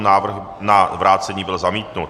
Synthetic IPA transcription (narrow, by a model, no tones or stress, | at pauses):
naːvr̩x | navɾʔaːt̪t͡sɛɲiːbɪlzamiːt̪nut̪